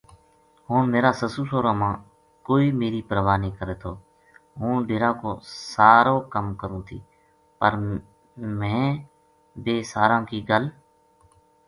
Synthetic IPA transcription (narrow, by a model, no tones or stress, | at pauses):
ɦoːnmeːɾaːsəsuːsoːɾãːmãː | koːiːmeːɾiːpɾəʋaːnĩːkəɾeːt̪ʰoː | ɦũːɖeːɾãːko̰ːsaːɾoːkəmkəɾũːt̪ʰḭː | pəɾ | mɛ̃ː | beːsaːɾãːkiːɡəl